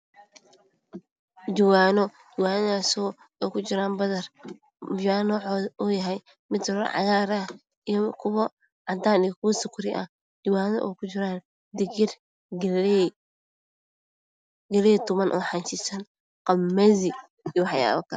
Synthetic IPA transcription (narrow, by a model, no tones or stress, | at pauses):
d͡ʒɪwaːnɔ | d͡ʒɪwaːnaːsɔː | ɔjkʰʊt͡ʃɪɾaːnbɐðɐr | aːnɔːʕɔɔjɐɦɛj | mɪd̪ɾɐ̰ʕɑ̰ɣaːɾɐ | ijɔkʰʊβɐ | ʕɑd̪aːnijkʰʊwɐsʊkʰʊɾɪʔɐ̰ | d͡ʒɪwaːnɔ̰ʔɛ̰kʰʊt͡ʃɪɾaːn | d̪ɪɡɪr | ɡɐlɛːjt̪ʊmɐnʔɔːħant͡ʃɪsɐn | qɑmːɛzɪ | iwɑħja̰ːβɐkʰɐ